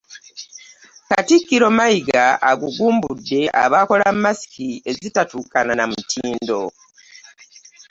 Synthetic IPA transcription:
katikːiɾo̞maiɡaaɡuɡuːmbudːe̞ʔa̰βako̞lamːasi̥kie̞zitatuːkananamutʰiːndo̞

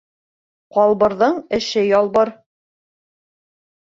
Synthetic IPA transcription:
qɒlˠβɤ̆ɾðɤɴɘ̆ʃɘjɒlˠbɤɾ

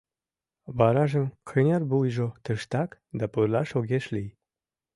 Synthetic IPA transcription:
bɑɾɑʒə̆mkʰənʲerbujʒot̪ə̆ʃt̪ɑkd̪ɑpɯɾlɑʃoɣʲeʃlij

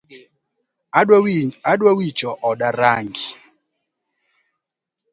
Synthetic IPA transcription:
aɗwawit͡ʃɔʔɔɗaɾaŋɡi

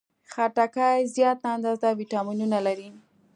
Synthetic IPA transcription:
xaʈakajzjɑt̪and̪ɑzd̪awiʈɑminunalaɾi

